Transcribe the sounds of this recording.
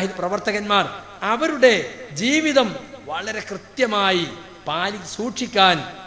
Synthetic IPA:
iðiprɐʋɐrt̪ɐɣɐnmaːr | ɐʋɐɾuɽe̞d͡ʑiːʋiðɐmʋɐɭɐɾe̞krɨt̪jɐmaːji | paːlikʲːsuːʈʂikʲːaːn

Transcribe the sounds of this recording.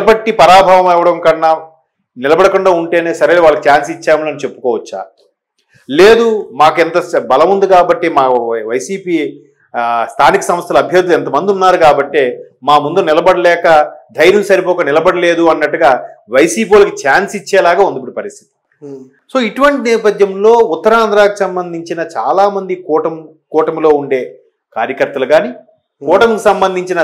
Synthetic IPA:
lɐbɐʈːipɐɾaːbʱaːʋɐmɛʋɐɽɐmkɐnːa | nɪlɐbɐɽɐkuɳɖaːuɳʈe̞ːneːsɐɾeloʋaːɭːɐkit͡ʃaːnsit͡ʃːaːmulɐnit͡ʃepːu̥kɔːʋɐt͡ʃːa̰ː | leːd̪umaːkuɛnt̪ɐbɐlɐmund̪ukaːbɐʈːeːmaːʋɐjsiːpiː | st̪ʰaːnikɐsɐmɐst̪ʰɐlɐɐbʱjɐɾd̪ulɛnt̪ɐmɐnd̪iunːaːɾukaːbɐʈːe̞ː | maːmund̪unɪlɐbɐɽɐlɛːkɐd̪ʱɐjɾjɐmsɐɾipɔːkɐnɪlɐbɐɽɐle̞ːd̪uɐnːɐʈːuɡaːʋɐjsiːp̬iːɐlɐkit͡ʃaːnsit͡ʃːɛːlaːɡaːund̪ipːuɽipɐɾist̪ʰi̥t̪i̥ | so̞ːiʈuʋɐɳʈinɛːpɐd̪ʱjɐmlo̞ːut̪ːɐɾaːnd̪ɾaːkisɐmbɐnd̪ʱiɲt͡ʃinɐt͡ʃa̰ːlaːmɐnd̪ikɔːʈɐm | kɔːʈɐmlo̞ːuɳɖe̞ː | kaːɾjɐkɐɾt̪ɐluɡaːni | kɔːʈɐmkusɐmbɐnd̪ʱiɲt͡ʃinɐ

